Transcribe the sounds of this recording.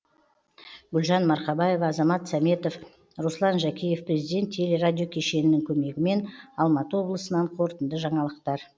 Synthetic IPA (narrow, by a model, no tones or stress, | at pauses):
ɡʏlʒɑnmɑɾqɑbɑjevːzɑmɑt̪sɑme̞t̪o̞f | ɾoslˠɑnʒækʲije̞fprʲezid̪ʲe̞t̪ʲʰːe̞le̞ɾadʲijo̞kʲʰe̞ʃe̞nɪnɪŋkʲʰɵme̞ɡʲɪme̞nɑlˠmɑt̪əwo̞blˠəsənɑɴqʰo̞ɾt̪ənd̪əʒɑɴɑlˠəq̚t̪ɑɾ